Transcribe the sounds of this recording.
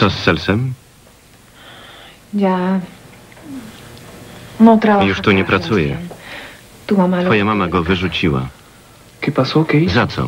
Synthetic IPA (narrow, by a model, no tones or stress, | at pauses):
ɔsːɛlsɛm | ja | nɔt̪ɾajuʂt̪uɲɛpɾat̪sujɛ̰ | t̪umamafɔjamamaɡɔvɘʐut͡ɕiwa̰ | kipasɔkʲejzat̪sɔ̰